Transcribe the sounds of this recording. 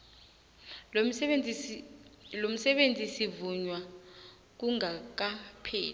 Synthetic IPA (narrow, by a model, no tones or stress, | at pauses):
lom̩sɛɓend͡zʱʼisivuɲwa | k̬uŋak̬apʰḛːl